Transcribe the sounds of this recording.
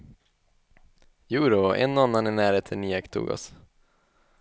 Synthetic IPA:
jʉːɾoɛ̰nːɔanːanæɳæːɾheːt̪ʰəniːɛkt̪ʰṵːɡɔ̰s

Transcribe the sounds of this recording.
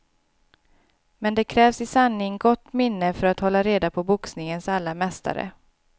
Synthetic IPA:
mɛnd̪ɛkʰɾɛːvsɪsanːɪŋɡɔt̪ːmɪnːəfœɾat̪hɔlːaɾeːd̪apʰɔbʊksnɪŋənsalːamɛst̪ʰa̰ɾə̰

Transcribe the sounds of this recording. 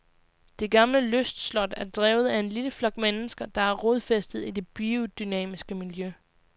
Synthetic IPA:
d̥e̝ɡ̥ɑ̈mləløsd̥slɒ̽d̥æɐd̥ʁɛːʊð̩ˠæe̝nliləflɒ̽ɡ̥̚menəsɡ̥ɐd̥ɑ̈æɐʁoð̞ˠfesd̥ð̩ˠid̥e̝b̥io̝d̥ynɛ̰ːmisɡ̥əmiljø

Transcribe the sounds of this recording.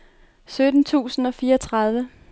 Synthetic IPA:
sød̥n̩t͡sʰṵːsn̩ɒ̽fiːɐɒt͡sʰʁɑð̞ˠʋə

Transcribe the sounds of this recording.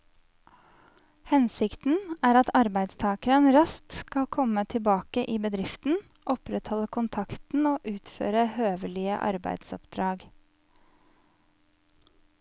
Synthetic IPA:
hɛnsɪkt̪n̩æːɾɑt̪ɑɾbæɪd̪st̪ʰɑːkəɾənɾɑst̪kɑlkʰɔmət̪ʰɪlbɑːkəʔiːbəd̪ɾɪft̪n̩ | ʔɔpɾɛt̪hɔləkʰʊnt̪ʰɑkt̪n̩oːʔʉːt̪fø̰ːɾəhøːʋəlɪə̰ʔɑ̰ɾbæ̰ɪd̪̥sɔpd̪̥ɾɑːɡ

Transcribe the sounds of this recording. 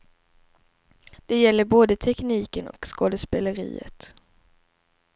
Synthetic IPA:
d̪̥ɛjɛlːəɾboːd̪ət̪ʰɛkniːkənɔ̰kskoːd̪əspeːləɾḭːə̰t̪

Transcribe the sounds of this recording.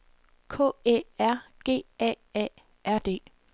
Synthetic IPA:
kʰɔ̰ːḛːæɐ̰ɡ̥e̝̰ːɛ̰ː | ɛ̰ | ʔæɐ̰d̥e̝̰ː

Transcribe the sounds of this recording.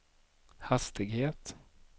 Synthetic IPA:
hast̪ɪɡheːt̪

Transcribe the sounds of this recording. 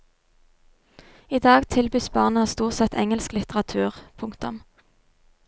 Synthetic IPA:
iːd̪ɑːɡt̪ʰɪlbyːsbɑʁnəhɑst̪uːʁt̪sɛt̪ʰɛŋəlsklɪt̪əʁɑt̪ʰʉːʁpʰʊŋkt̪ʊ̰m

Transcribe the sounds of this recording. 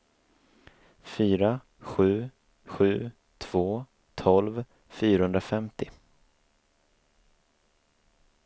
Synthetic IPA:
fyːɾa | ɧʉ̟ː | ɧʉ̟ː | t̪ʰv̥oː | t̪ʰɔlv | fyːɾahɵnd̪ɾafɛmt̪ɪ

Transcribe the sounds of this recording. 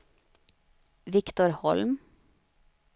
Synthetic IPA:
ʋɪkt̪ʊɾhɔ̰lm

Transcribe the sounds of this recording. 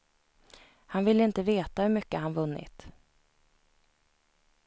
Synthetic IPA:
hanvɪlːəɪnt̪əveːt̪ahɵmʏkːəhanvɵnːɪ̰t̪

